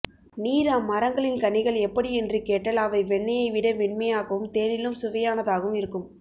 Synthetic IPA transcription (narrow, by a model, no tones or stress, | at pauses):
niːɾɐmːɐɾɐŋɡɐɭɪnkɐɳɪɣɐɭɛpːɐɽiɛndrikeːʈːɐlɐʋɐɪʋɛɳːɐjɐɪʋɪɽɐʋɪɳmɐjaːɣɐʋɯmt̪eːnɪlɯmsʊʋɐjaːnɐðaːɣɯmɪɾɯkːɯm